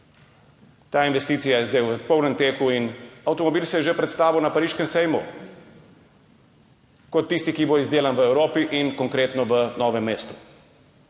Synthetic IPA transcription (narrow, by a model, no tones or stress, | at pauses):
t̪aːinʋɛst̪iːt̪sijajɛzd̪ejwpɔwnɛmt̪eːkuinawt̪ɔmɔbiːlsɛjɛʒepɾɛt̪st̪aːʋiwnapaɾiːʃkɛmsɛjmṵ | kɔt̪ːist̪ikiboːizd̪eːlanʋəɛwɾoːpiʔinkɔŋkɾeːt̪nɔʋənɔːʋɛmːeːst̪u̥